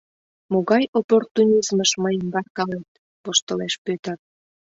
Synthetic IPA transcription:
moɣɑjoport̪unʲizməʃməjəmbɑrkɑlet̪̚ | poʃt̪əleʃpøt̪ə̆r

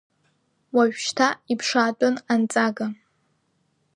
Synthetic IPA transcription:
waɥᶣʃtʰaipʰʂaːt͡pʷʼʊnant͡sʼaɡa

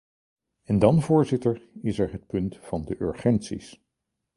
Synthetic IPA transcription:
ɛndɑnvʊːɹzɪtəɹɪsɛɹɦət̚pɵntfɑndəʔø̰ɹχɛntsḭs

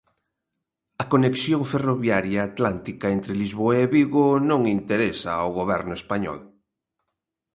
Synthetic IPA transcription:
ɐkoneksjoŋferoβjaɾjaːt̪lant̪ikaent̪ɾelizβoaeβiɣonõŋint̪eɾesa̰a̰wɣoβ̞ɛɾnʊespaɲɔ̰l

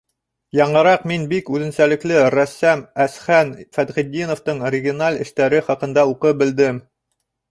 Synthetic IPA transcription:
jɑɴɤ̆ɾɑqminbikʉðɘ̆nsælɘ̆klɘɾæsːæmæsχænfæd̪χid̪ʲːinŏft̪ɤɴoɾʲɪɡʲionalʲɘ̆ʃt̪æɾɘχɑqɤ̆nd̪ɑuqɤp̚bɘ̆ld̪ɘm

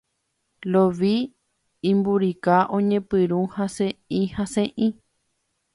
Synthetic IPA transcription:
loʋi | ĩmbuɾikaʔõɲẽpɨɾũhãsẽĩhãsẽʔĩ

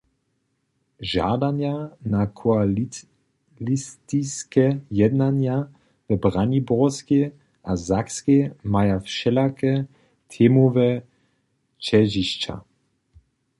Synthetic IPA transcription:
ʒa̰danjanakʰoal | list̪iskɛjɛd̪nanja | vəbʁanibɔske | ʔazakskemajafʃɛlakɛ | t̪ʰeːmovɛ | t͡ʃɛʒiʃt͡ʃa̰

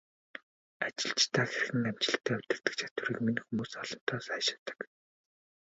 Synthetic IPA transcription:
at͡ɕɪ̆ɮt͡ɕt̪ʰaːxerɘ̆xɘ̆ŋæmt͡ɕɪ̆ɬt̪ʰæːʊt̪ɪ̆rt̪ɘ̆kt͡ɕʰḁt̪wɘ̆ɾiːkminxumuːsɔɮɞ̆n̥t̪ʰɔːsæːʃḁt̪ə̥̆k

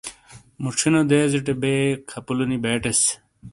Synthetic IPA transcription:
muʈ͡ʂʰinod̪eːziʈebeːkʰɐpulunibeːʈes

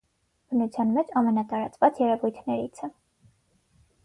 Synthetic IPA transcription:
b̥ənut͡sʰjɑnmɛt͡ʃʰɑmɛnɑt̪ɑɾɑt͡svɑt͡sjɛɾɛvujt̪ʰnɛɾit͡sʰɛ

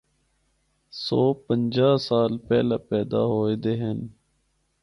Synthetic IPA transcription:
soːpəɲd͡ʒaːsaːlpɛːlaːpɛːd̪a̰ːɦoːeːd̪eɦen

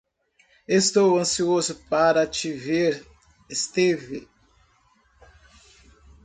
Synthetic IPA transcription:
est̪owɐ̃siozʊpaɾɐt͡ʃiveɾ | est̪eve

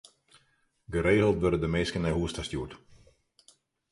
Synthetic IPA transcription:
ɡəɾeːɣəlˠtʋørədəmeːskənɛjɦuəstastjuət

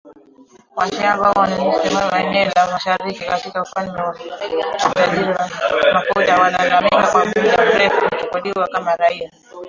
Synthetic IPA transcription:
wazɛambawanaɲusimaaɛnɛɔlamaʃaɾikikatikaufandɛwa | taʄiɾiamafɔʄawananamiŋɡakwapiʄam̩ɾɛfuut͡ʃukɔɗiwakamaɾaia

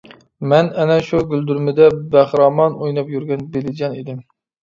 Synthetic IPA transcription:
mɛnɛnɛʃuɡʲyld̪yɾmɪd̪ɛbæχɾɑmɑnojnɑpjyɾɡʲɛnbelɪd͡ʒɑnid̪ɪm

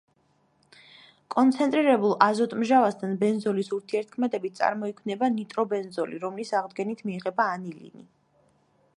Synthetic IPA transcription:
kʼɔnt̪sʰɛnt̪ʼɾiɾɛbulˠazɔt̪ʼmʒavast̪ʰanbɛnzɔlisuɾt̪ʰiɛɾt̪̚kʰmɛd̪ɛbit̪̚sʼa̰ɾmɔikʰvnɛbanit̪ʼɾɔbɛnzɔliɾɔmlisaʁd̪ɡɛnit̪ʰmiɛʁɛbaːnilḭni

